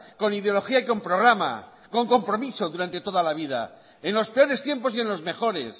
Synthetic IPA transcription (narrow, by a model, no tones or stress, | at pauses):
ko̞nið̞eo̞lo̞xiaiko̞mpɾo̞ɣ̞ɾama̰ | ko̞ŋko̞mpɾo̞miso̞ðuɾant̪e̞t̪o̞ðalaβ̞ið̞a̰ | enlo̞speo̞ɾe̞st̪je̞mpo̞sie̞nlo̞zme̞xo̞ɾe̞̰s